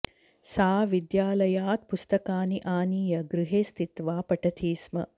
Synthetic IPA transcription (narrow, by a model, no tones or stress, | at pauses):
saːʋid̪jaːlɐjaːt̪pust̪ɐkaːniʔaːniːjɐɡɾɪɦeːst̪it̪ʋaːpɐʈɐt̪ʰiːsmɐ̰